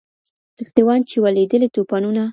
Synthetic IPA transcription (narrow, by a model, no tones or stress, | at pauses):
ɪxt̪ewɑnt͡ʃewaled̪əlit̪opɑnuna